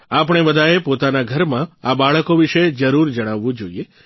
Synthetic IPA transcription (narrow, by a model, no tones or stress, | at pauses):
apəɽ̃ebəd̪ʱaepot̪anaɡʱəɾmãabaɭəkoʋiʃed͡ʒəɾuɾd͡ʒəɽ̃aʋːũd͡ʒoie